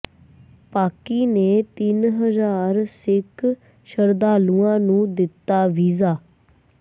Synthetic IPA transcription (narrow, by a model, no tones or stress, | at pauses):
paːkiːneːt̪ɪnɦəzaːɾsɪkʰ | ʃəɾd̪aːlũːãːnũːd̪ɪt̪ːaːʋiːzaː